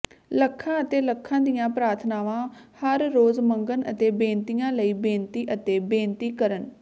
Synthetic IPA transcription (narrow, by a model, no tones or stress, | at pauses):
ləkʰːãːət̪eːləkʰːãːd̪ɪjãːpɾaːɾt̪ʰnaːʋãːhəɾːoːzməŋɡənə̰t̪eːbẽːnt̪ɪjãːləiːbẽːnt̪iːʔət̪eːbẽːnt̪iːkəɾən